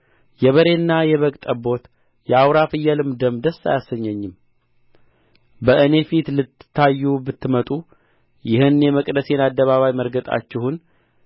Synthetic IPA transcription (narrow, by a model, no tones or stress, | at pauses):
jɛβəɾe̞nːajɛβəkʼt̪ʼəbo̞t̪ | jɛawɾafɨjːalɨmd̪əmd̪əsːa̰jasːəɲːəɲːɪm | bəɨne̞fit̪lɨt̪ːɨ̥t̪ʰːajːubɨt̪ʰːɨmət̪ʼu | jɪhɨnjɛməkʼd̪əse̞nad̪ːəβaβajməɾɡət̪ʼa̰t͡ʃːɪhun